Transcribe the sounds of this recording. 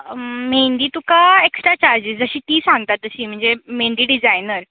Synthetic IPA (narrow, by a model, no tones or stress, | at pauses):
meɳɖ̪iːt̪ukaeksʈɾat͡ɕaɾd͡ʑisd͡zəɕiːt̪iːsãŋɡ̚t̪at̪ːəɕiːm̤əɳd͡zemeɳɖiːɖid͡zajnəɾ